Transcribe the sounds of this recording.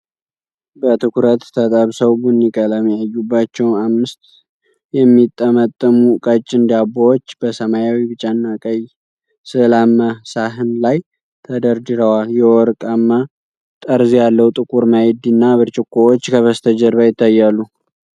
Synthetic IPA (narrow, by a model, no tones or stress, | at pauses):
bət̪ʰɨkʰuɾət̪t̪ʰət̪ʼəβsəwbunːikʼəlamijajːubːat͡ʃːɛwnamːɨst̪ | jɛmːit̪ʼːəmət̪ʼːəmukʼət͡ʃʼːɪnd̪abːowot͡ʃːb̥əsəmajawibɨt͡ʃʼanːakʼəj | sɨlamːəsaɦɨnlaj | t̪ʰəd̪əɾd̪ɨɾəwaljɛwɔɾkʼamːa | t̪ʼəɾzijalːəwt̪ʼɨkʼuɾmajɛd̪inːaβɨɾt͡ʃʼɪkʼːowot͡ʃːkʰəβəst̪ʰəd͡ʒəɾbajɪt̪ʰːajːalːu